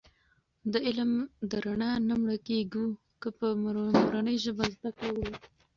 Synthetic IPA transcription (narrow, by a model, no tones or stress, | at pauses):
d̪əɪlmd̪əɾaɳɑnamɽəkeɡu | kəpəmmʊɾanəjʒəbazd̪akɽawəw